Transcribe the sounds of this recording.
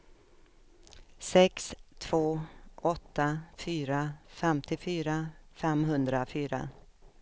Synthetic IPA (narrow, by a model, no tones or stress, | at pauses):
sɛkst̪ʰv̥oːʔɔt̪ːafyːɾafɛmt̪ʰɪfyːɾafɛmɦɵnd̪ɾafyːɾa̰